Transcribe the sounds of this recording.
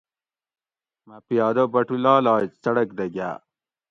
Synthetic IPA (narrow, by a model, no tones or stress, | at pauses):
mɐpijɑːd̪obɐʈulɑːlɑːt͡sɐɽɐkd̪ɐɡa̰ː